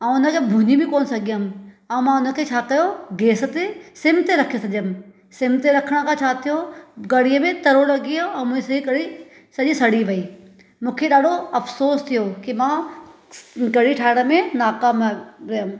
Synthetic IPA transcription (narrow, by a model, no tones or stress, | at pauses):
ɐ̃ʊnəkʰebʱʊɲibʱɪ̃koːnsɐɡʱijəm | ɐ̃ũmãʊnə̆kʰeːt͡ɕʰaːkɐjoɡeːsət̪esɪmt̪eɾɐkʰijosɐʄəm̆ | sɪmt̪eɾɐkʰəɽ̃kʰãt͡ɕʰaːt̪ʰijoɡɐɽijəmẽt̪ɐɾolɐɡijõɛ̃ːmũːesɐikɐɽi | sɐʄĩsɐɽ̤iʋɐiː | mũːkʰeɗaːɖʱoɐfsoːst̪ʰijokimã | ɡɐɽ̤iʈʰaːɪɽ̃əmẽnaːkaːmɾɪjəm